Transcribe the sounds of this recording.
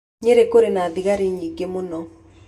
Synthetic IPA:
ɲeɾekoɾenaðiɣaɾeɲiɡemonɔ

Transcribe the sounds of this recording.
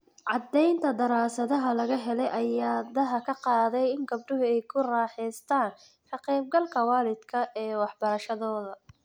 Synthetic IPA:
ʕɑd̪ːɛjnt̪ʰɐd̪ɐɾaːsɐðɐɦɐlɐɣɐɦɛlɛjʔɐjaːd̪ɐɦɐkʰɐqɑːðɛjɪŋɡɐb̚ɖʊɦʊɛjkʰʊraːħɛːst̪ʰaːn | ħʰɑqiːb̚ɡɐlkʰɐwɑːlɪd̪̥kʰɐʔɛːwɑħbɐɾɐʃɐðɔːðɐ

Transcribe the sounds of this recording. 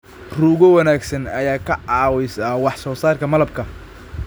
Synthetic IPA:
ruːɣɔwɐnaːɡsɐnɐjaːkʰɐʕɑːwɛjsaːwɑħsɔːsaːrkʰɐmɐlɐb̚kʰɐ

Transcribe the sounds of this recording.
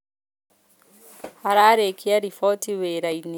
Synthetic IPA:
haɾaːɾekʰiaɾifɔtiweɾaini

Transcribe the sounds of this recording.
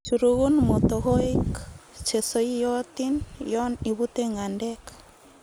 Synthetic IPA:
t͡ʃuɾuɣunmot̪oɣoikt͡ʃesoijɔt̪injɔniβut̪eŋɡandɛkḁ

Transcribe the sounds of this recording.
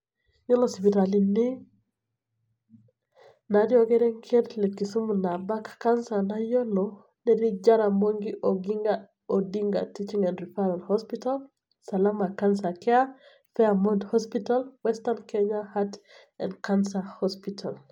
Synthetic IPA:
ɲolɔspitalini | nadioɡɛɾɛŋkʰetlekːisumunabakkːansanajonɔ | nɛdid͡ʒaɾamoŋɡiʔoɡiŋɡa | odiŋɡa̰tit͡ʃiŋɛnɾifaɾalhɔspital | salamakansakɛa | fɛamodhɔspitalwɛstankɛɲahat | ɛ̰nkansahospitʰal

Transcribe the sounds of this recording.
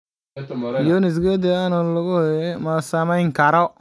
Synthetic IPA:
jonɪs̬ɡed̪eanɔlʊɡʊɛmasamaɪŋkaɾɔ

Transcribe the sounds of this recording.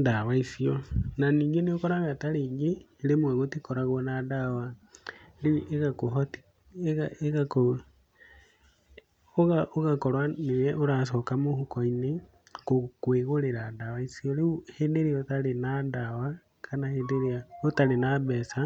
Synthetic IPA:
dawaisiɔnaniːŋɡeneokɔɾaɣataɾeːŋɡeː | ɾemwɛɣotikɔɾaɣɔnadawa | leeɣakoɦɔti̥ | eɣaeɣako | oɣaoɣakɔɾwanejɛʔoɾas̬ɔkamohukɔine | kokweɣoɾeɾadawaisiɔɾeuhedeɾiaotalenadawa | kʰanahendeɾeaotalenaβɛsa

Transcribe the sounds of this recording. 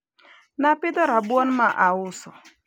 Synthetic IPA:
napɪd̪ɔɾabwɔnmaʔaʊsɔ

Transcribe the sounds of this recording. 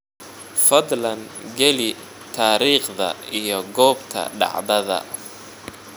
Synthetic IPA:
fɐd̪lɐŋ | ɡɛlɪ | t̪ʰaːɾiːχðɐ̰ijɞɡɔːbt̪ʰɐ̰ɖɑ̰ʕdɐðɐ̰

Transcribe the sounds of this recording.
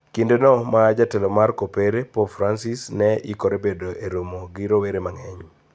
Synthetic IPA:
kindenɔmaːd͡ʒatelomarkopeɾepopfɾansisnɛikoɾebedoʔeɾomoɡiɾoweɾemaŋɛɲ

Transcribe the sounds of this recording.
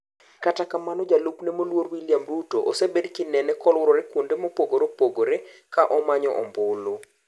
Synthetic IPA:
katakamanɔd͡ʒaluknemolworwiljamrutoʔosebedkɪnɛnɛkɔlwʊɾɔɾɛkwondemopoɡoɾopoɡoɾekaʔɔmaɲɔ̰ʔɔ̰mbʊlo

